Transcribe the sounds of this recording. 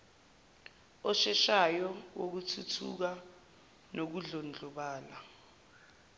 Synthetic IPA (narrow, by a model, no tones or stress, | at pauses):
ɔʃɛʃajɔwok̬utʰutʰṵk̬a | nok̬uɮond͡ɮʱɔɓaːla